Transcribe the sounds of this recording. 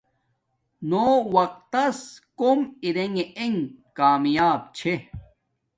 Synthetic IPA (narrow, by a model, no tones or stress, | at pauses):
noːwɐq̚t̪ɐskomiɾeŋeeŋkaːmjaːb̚t͡ɕʰe